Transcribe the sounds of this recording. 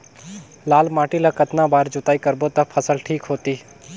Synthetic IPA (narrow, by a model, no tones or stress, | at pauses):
laːlmaːʈilakət̪nãːbaːɾd͡ʒʊt̪aːikəɾbot̪ɐpʰəsəlʈʰiːkɦoːt̪iː